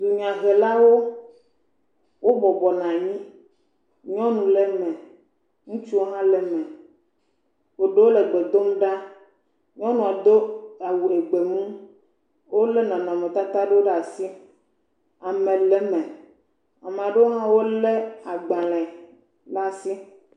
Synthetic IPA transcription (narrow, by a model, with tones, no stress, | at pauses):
d̪u˨ɲ˨ã˨ɣɛ˨la˦wo˦ | wo˦bɔ˨bɔ˨nã˨ɲĩ˦ | ɲɔ̃˦nũ˨lɛ˦mɛ̃˨ | ŋũ˦t͡ʃu˦wo˦ɦã˦lɛ˨mɛ̃˨ | wo˨ɖe˦wo˦le˨ɡ͡be˨d̪o˦mũ˦ɖa˦ | ɲɔ̃˦nũ˦˨a˨d̪o˦a˨wu˨e˨ɡ͡be˨mũ˦ | wo˦le˦nã˨nã˨mẽ˨t̪a˦t̪a˦ɖe˦wo˦ɖa˨si˦ | a˨mẽ˨lɛ˨mɛ̃˨ | a˨me˨a˨ɖe˦wo˦ɦã˦wo˦le˦a˨ɡ͡bã˨lɛ̃˨ | ɖa˦si˦